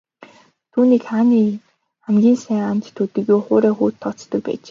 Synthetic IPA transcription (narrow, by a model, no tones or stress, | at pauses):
t̪ʰuːniːkχaniː | χæmɡʲiːnsæːŋant͡ɕt̪ʰːut̪ɘ̆ɣʲjuːχoːɾæːxuːt̪ʰːɔt͡st̪ɞ̆k̚pæ̰ːt͡ɕe